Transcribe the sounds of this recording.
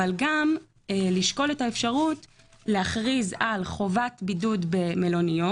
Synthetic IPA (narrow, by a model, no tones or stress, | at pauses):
alɡam | eliʃko̞letaefʃaʁut | leaχʁizalχo̞vatbidudbeme̞lonio